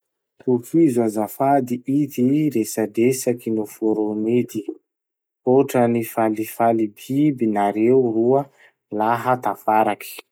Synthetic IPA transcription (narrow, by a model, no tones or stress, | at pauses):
t̪ufizazafad̪iit̪iɾesad̪esakinufuɾomed̪i | oʈ͡ʂənifalifalibibinaɾewruə | laɦət̪afaɾaki̥